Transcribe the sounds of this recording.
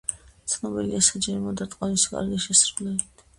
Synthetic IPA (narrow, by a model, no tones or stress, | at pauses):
t̪sʰnɔbɛliasad͡ʒɛɾmɔd̪at̪ʼqʼɔniskʼa̰ɾɡɛʃɛsɾɡlɛit̪ʰ